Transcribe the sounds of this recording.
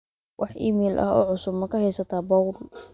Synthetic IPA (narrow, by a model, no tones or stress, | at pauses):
wʔɑħʔḭmiːlʔɐ̰ɦɔ̰ːʕʊsʊbmɐkʰɐhɛjsɐt̪ʰaːbɔwl